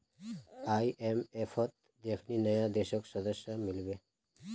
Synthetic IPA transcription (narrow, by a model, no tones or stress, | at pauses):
ajʔemepʰɔt̪̚ | d̪ekʰninəjãd̪eʃɔksɔd̪əsjʌmilbe